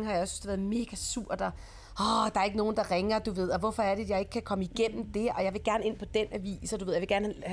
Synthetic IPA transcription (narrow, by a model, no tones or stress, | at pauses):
ŋ̩hɑ̈jɑ̈jɒ̽sn̥̩sd̥eʋæɐðˠme̝ːɡ̥æsuɐ̰d̥ɒ | ɒd̥ɑ̈æɐe̝ɡ̥əno̝ːn̩d̥ɑ̈ʁɛŋɐd̥uʋe̝ð̞̰ˠɒ̽ʋɒfɒ̽æɐɾ̥ejɑ̈ɪe̝ɡ̥əkʰækʰɒ̽məiɡ̥en̰m̩d̥e̝ɒ̽jɑ̈ɪʋe̝ɡ̥æɐne̝n̰pʰɒ̽d̥enʔæʋḭːsɒduʋe̝ð̰ˠjʋeɡ̥æɐnh